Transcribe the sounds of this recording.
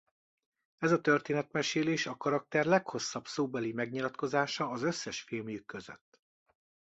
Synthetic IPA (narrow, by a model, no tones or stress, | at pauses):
ɛzɒt̪ø̞rt̪eːnɛt̪mɛʃeːleːʃɒkɒɾɒk̚t̪ɛrlɛkho̞sːɒbsoːbɛlimɛɡɲilɒt̪ko̞zaːʃɒːzø̞sːɛʃfilmjykːøzø̰t̪ː